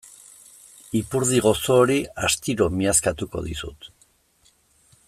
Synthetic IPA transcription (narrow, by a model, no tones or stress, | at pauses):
ipuɾð̞iɣ̞o̞soːɾiast̪iɾo̞miaskat̪uko̞̰ðḭsṵt̪